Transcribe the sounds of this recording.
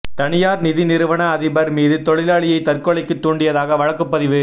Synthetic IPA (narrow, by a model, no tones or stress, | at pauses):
t̪ɐɳɪjaːɾnɪðɪnɪɾɯʋɐɳɐːðɪbɐɾmiːðɯt̪ɔɭɪlaːɭɪjɐɪt̪ɐɾkɔɭɐɪkːɯt̪ːuːɳɖɪjɐðaːɣɐʋɐɻɐkːɯpːɐðɪʋɯ